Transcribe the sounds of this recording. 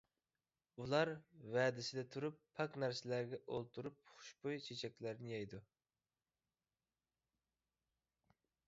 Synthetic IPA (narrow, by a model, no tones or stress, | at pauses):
ulˠɑɾvɛːd̪ɪsɪd̪ɛt̪ʰuɾupʰːɑknæɾsɪlæɾɡʲɛʔolˠt̪ʰuɾup̚χʊ̥ʃbojt͡ʃʰet͡ʃʰɛk̚ʲlæɾnɪjɛjd̪u